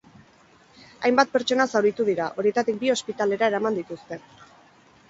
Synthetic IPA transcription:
ajmbat̪̚pe̞ɾt͡ʃo̞nasawɾit̪uðiɾaʔo̞ɾie̞t̪at̪ik̚bio̞spit̪ale̞ɾae̞ɾamand̪it̪ust̪e̞

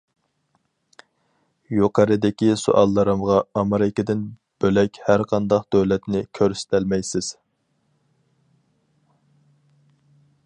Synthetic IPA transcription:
joqʰɑɾɨd̪ɪkʲiso̰ʔɑlˠːɨɾɨmʁɑɑmɨɾɪkʲɪd̪ɪn | b̥ølɛkʲhæɾqʰɑnd̪ɑqd̪øwlɛt̪nɪkʲʰøɾsɪ̥t̪ʰɪlmɛjsɪz̥

